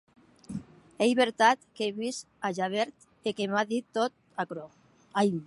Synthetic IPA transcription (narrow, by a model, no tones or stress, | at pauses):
ejβeɾt̪at̪keβis | aʒaβeɾt̪ | ekemaðit̪ːot̪ | akɾo | ajm